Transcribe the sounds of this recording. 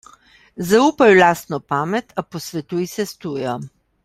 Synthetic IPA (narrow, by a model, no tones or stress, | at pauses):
zauːpajlaːst̪nɔpaːmɛt̪ʰapɔsʋɛt̪ujsɛst̪uːjɔ